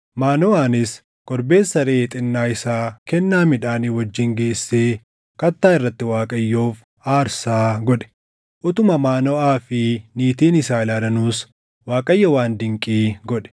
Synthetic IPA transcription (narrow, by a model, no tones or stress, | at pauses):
maːnɔaːnɪs | kɔɾbe̞ːsːɐɾeːt̪ʼɪnːaːɪsaːkɛnːaːmɪᶑaːniwɐd͡ʒːɪŋɡe̞ːsːeː | kɐt̪ːaːɪrːɐt̪ːɪwaːkʼɐjːoːf | aːɾsaːɡɔᶑɛ̥ | ʔʊt̪ʊmɐmaːnɔaːfɪniːt̪iːnɪsaːɪlaːlɐnuːs | waːkʼɐjːɐwaːnd̪ɪŋkʼiːɡɔᶑɛ̥